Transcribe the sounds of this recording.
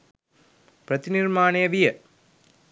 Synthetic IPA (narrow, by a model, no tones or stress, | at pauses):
pɾɐt̪iniɾmaːneɐʋijɐ